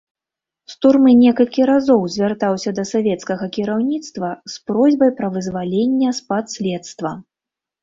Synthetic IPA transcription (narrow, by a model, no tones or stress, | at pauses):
st̪urmɨnʲɛkɐlʲkʲiɾazɔwzʲvʲart̪awsʲɐd̪ɐsavʲɛt̪skɐɣɐkʲiɾawnʲit̪st̪vɐspɾɔzʲbɐjpɾɐvɨzvalʲenʲːɛspat̪sʲlʲɛt̪st̪vɐ